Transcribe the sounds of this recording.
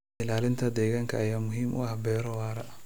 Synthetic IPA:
ɪlaːlɪnt̪ʰɐd̪ɛːɣaːŋkʰɐːjaːmʊɦiːmʔʊ̰ʔɐhbɛːɾɔwaːɾɐ

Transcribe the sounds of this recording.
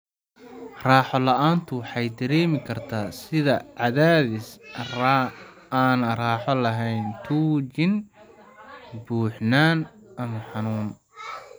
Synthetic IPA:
raːħɔlɐʔaːnt̪ʰʊwħɑjd̪ɐɾɛːmɪkʰɐrt̪ʰaːsɪðɐʕɑðaːðɪs | aːnraːħɔlɐɦɛjnt̪ʰuːt͡ʃɪn | buːħnaːn | ʔɐmɐħɑnuːn

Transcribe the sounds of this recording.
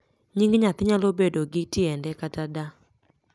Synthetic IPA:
ɲiŋɡɲat̪ɪɲalobedoɡɪtɪɛndɛkatada

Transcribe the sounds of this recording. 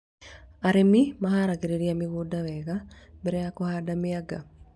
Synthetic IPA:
aɾemimahaɾakeɾeɾiamiɣudawɛɣa | bɛɾɛjakohadamiaɡa

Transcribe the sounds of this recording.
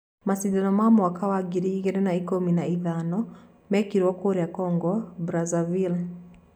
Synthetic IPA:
masidanɔmamwakawaɡiɾiːɣenenaikominaiðanɔ | mɛkiɾwɔkoɾeakɔːŋɡɔbɾazavil

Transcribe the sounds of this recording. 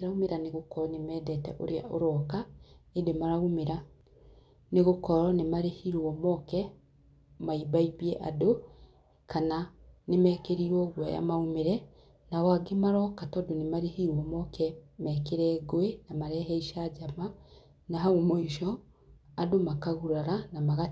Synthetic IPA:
ɾaumeɾaneɣokɔɾɔnemɛːdɛtɛʔo̰ɾea̰ʔo̰ɾɔkaedemaɾaumeɾa | neɣokɔɾɔnemaɾehiɾwɔmɔkɛ | maibaiβiɛʔa̰do | kananemɛːkeɾiɾwɔɣwɛ̰ja̰maumeɾɛ | nawaɡemaɾɔkatɔdonemaɾehiɾwɔmɔkɛmɛkeɾɛːɣoenamaɾɛɦɛiʃad͡ʒama | naɦaumoiʃɔ | adomakaɣuɾaɾanamaɣa

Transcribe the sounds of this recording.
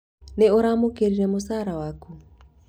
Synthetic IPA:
neoɾamokeɾiɾɛmosaɾawaku

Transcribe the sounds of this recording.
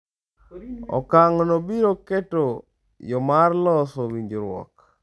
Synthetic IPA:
ɔ̰kaŋɔnobiɾoketo | jɔmarlɔsowiɲd͡ʒoɾwɔ̰k

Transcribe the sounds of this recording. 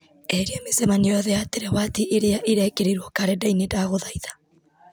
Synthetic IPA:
eɾiamesemanijɔðɛateɾɛwatiʔːɾeaʔiɾekeɾiɾwɔkaɾedainedaɣoðaiðḁ

